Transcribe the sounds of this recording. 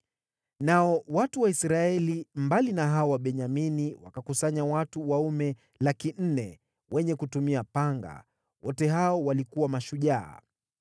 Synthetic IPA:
naɔwatuwaisɾaɛlimbalinaɦaɔwaɓɛɲaminiwa̰kakusaɲawatuwaumɛ | lakin̩nɛ | wɛɲɛkutumiapaŋɡa̰ | wɔtɛɦaɔwalikuwamaʃuʄa̰ː

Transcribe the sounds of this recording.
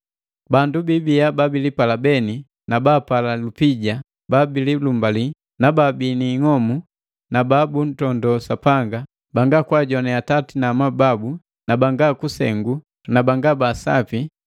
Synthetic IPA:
bandubibiababilipalabɛni | nabapalalupiɟa | babililumbali | nababiniŋɔmu | nababun̩tɔndɔsapaŋɡa | baŋɡakwaɟɔnɛatatinamababu | nabaŋɡakusɛ̰ŋɡu | nabaŋɡabasa̰pi

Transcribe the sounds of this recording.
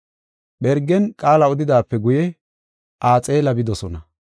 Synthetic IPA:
ɓɛɾɡɛnkʼaːlɐɔd̪ɪd̪aːpːɛɡʊjɛ | ʔaːt͡sʼe̞ːlɐbɪd̪ɔsɔnɐ

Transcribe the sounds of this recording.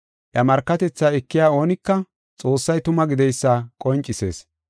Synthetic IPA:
ʔjɐmɐɾkːɐt̪ɛt͡sːaːɛkːɪjaːo̞ːnɪkːɐ | t͡sʼo̞ːsːɐjt̪ʊmɐɡɪd̪ɛjsːaːkʼɔnt͡ʃʼːɪse̞̰ːs

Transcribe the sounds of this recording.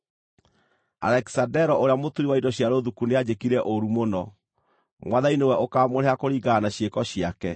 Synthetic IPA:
a̰ɾɛki̥sadɛɾɔʔoɾejamotuɾiwaidɔɕjaɾoðukunead͡ʑekiɾɛʔoɾumonɔ | mwaðainewɛʔokamoɾeakoɾiːɡanaɕjekɔɕiakɛ

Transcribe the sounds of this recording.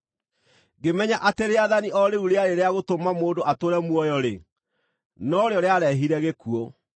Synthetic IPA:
ɡemɛɲaʔateɾeaðaniʔɔɾeuɾeaɾeɾeaɣotomamoːndoʔatoɾɛmwɔjɔɾe | nɔɾeɔɾeaɾɛɦiɾɛɣekuɔ

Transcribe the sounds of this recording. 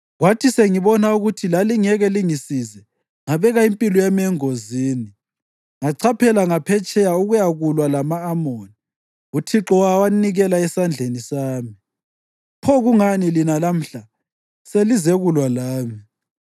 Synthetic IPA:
ɣwatʰiseŋiβɔnauɣutʰilaliŋɛɣɛliŋisizɛ | ŋaβɛɣaimpʼilɔjɛmɛŋoziːni | ŋaǀʰapʰɛlaŋapʰɛt͡ʃʼɛjauɣujaɣulwalamaːmoni | utʰiǁɔwawaniɣɛlaɛsand͡ɮʱenisaːmi | pʰɔɣuŋanilinalam̩ɬa | selizɛɣulwalaːmi

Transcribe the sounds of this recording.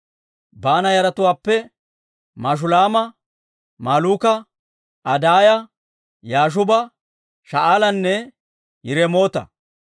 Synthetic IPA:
baːnɐjɐɾɐt̪ʊwaːpːɛ | maːʃ̬ʊlaːmɐ | maːluːkɐ | ɐd̪aːjɐ | jaːʃ̬ʊbɐ | ʃɐʔaːlɐnːɛ | jɪɾɛmo̞ːt̪ɐ̰

